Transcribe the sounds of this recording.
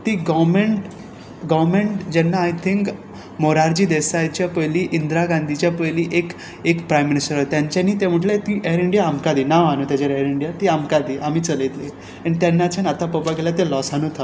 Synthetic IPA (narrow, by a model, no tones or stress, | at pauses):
t̪iːɡɔʋmeɳʈ | ɡɔʋmẽɳʈd͡ʑɛnːaːjt̪ʰĩŋk | moɾaɾd͡ʑiːd̪esajt͡ɕjapəjliːʔind̪ɾaɡãnd̪ʱit͡ɕjapəjliːʔek | ekpɾajmːinisʈəɾat̪jãɲt͡ɕaniːt̪em̤əʈlet̪iʔeɾiɳɖijaːmkad̪iːnaʋanũːt̪jat͡ɕaɾeɾiɳɖijat̪iːamkad̪iːʔamiːt͡səlet̪le | anit̪janːat͡ɕanat̪apəpakeljat̪elɔsanut̪ʰa